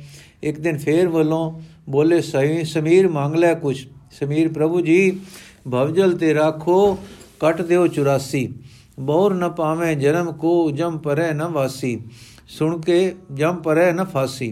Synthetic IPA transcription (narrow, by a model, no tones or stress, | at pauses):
ɪk̚d̪ɪnpʰeːɾʋəlõːboːleːsəisəmiːɾmãːŋɡlɛːkʊt͡ʃʰsəmiːɾpɾəbuːd͡ʒiːbʱəʋd͡ʒəlt̪eːɾaːkʰoːkəʈd̪eːoːt͡ʃʊɾaːsiː | bɔːɾnəpaːʋẽːd͡ʒənəmkoːd͡ʒəmpəɾɛːnəʋaːsiː | sʊɳkeːd͡ʒəmpəɾɛːnəpʰaːsiː